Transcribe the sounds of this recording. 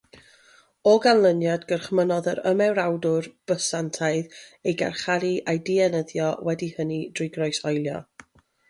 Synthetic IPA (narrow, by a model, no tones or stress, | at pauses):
ɔɡanlˠənjadɡərχmənɔðəɾəmɛwɾawdʊrb̥əsantʰaɨðejɡa̰rχaɾiʔajdiɛnəðjɔwɛdihənidrɪɡrɔɨsɔjlˠjɔ̰